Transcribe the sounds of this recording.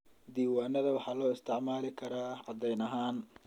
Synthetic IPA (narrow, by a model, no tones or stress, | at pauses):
d̪iːwaːnɐðɐwɑħɑːlɔːɪst̪ʰɪʕmaːlɪkʰɐɾaːʕɑd̪ɛjnɐɦaːn